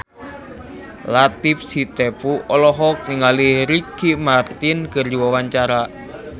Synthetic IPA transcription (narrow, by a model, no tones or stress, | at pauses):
lat̪ɪfsit̪epuʔɔlɔɦɔk̚niŋalihɾikimart̪ɪnkərd͡ʒiwɔwaɲt͡ʃaɾa